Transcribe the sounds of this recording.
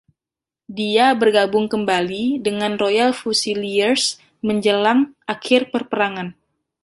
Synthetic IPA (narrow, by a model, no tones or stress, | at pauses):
diabərɡabʊŋkəmbalidəŋanrojalfusiliərs | məɲd͡ʒəlaŋʔakʰɪrpərpəɾaŋan